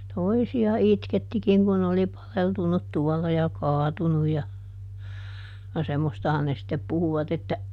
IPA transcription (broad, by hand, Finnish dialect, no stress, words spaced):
toisiɑ itketːikiŋ kun n oli pɑleltunːut tuɔlːɑ jɑ kɑːtunuj jɑ jɑ semːostɑhɑn ne sĭtːep puhuʋɑt etːæ